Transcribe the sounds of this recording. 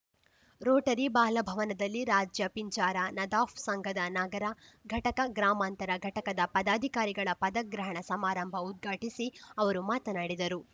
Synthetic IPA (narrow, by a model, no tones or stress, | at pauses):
ɾoːʈɐɾibaːlɐbʱɐʋɐnɐd̪ɐlːiɾaːd͡ʒjɐpiɲt͡ʃaːɾɐnɐd̪aːfsɐŋɡʱɐd̪ɐnaɡɐɾɐɡʱɐʈɐkɐɡɾaːmaːnt̪ɐɾɐɡʱɐʈɐkɐd̪ɐpɐd̪aːd̪ʱikaːɾiɡɐɭɐpɐd̪ɐɡɾɐɦɐɳɐsɐmaːɾɐmbʱɐud̪̚ɡʱaːʈisiɐʋɐɾumaːt̪ɐnaːɽid̪ɐɾu